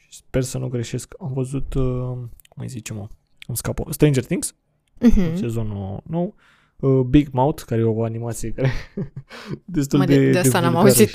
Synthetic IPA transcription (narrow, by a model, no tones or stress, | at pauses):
ʃi̥spe̞rsənuɡɾe̞ʃe̞skamvəzut̪ | kumə̰jzit͡ʃemo | kumskapə̰st̪ɾejnd͡ʒert̪iŋɡs | se̞zo̞nuno̞w | əbiɡmawt̪kaɾejeoanimat̪sije̞kaɾe | d̪e̞s̬t̪uld̪edad̪eaamaazi